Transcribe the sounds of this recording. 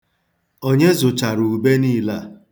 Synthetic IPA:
o˦ɲe˦zʊ˨t͡ʃa˨ɾu˨u˨be˦niː˦la˦˨

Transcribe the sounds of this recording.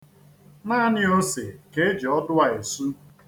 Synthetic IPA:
naː˦˨nɪ˦o˦se˨ke˦d͡ʒe˨ɔ˦dʊ˦a˨e˨su˦

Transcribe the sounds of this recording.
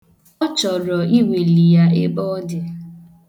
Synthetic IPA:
ɔ˦t͡ʃɔ˨ɾɔ˨i˦we˨li˨ja˦e˦bɔ˦dɪ˨

